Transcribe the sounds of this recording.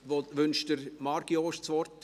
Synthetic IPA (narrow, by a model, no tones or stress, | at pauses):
ʋoʋʏnʃtd̥əɾmɑɾɡ̥ioːʃt͡sʋɔrt